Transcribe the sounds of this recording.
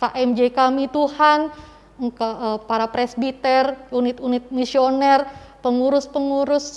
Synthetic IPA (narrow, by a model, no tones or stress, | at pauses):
kaʔɛmd͡ʒekamit̪uhan | ŋkaəpaɾapɾɛsbit̪ɛrunɪt̪unɪt̪̚misionɛrpəŋuɾʊspəŋuɾʊs